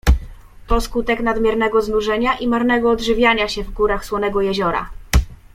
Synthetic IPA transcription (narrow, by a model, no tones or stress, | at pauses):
pɔskut̪ɛknad̪mʲjɛɾnɛɡɔznuʐɛɲaʔimaɾnɛɡɔːd̪ʐɘvʲjaɲaɕɛvɡuɾaxswɔnɛɡɔjɛʑɔɾa̰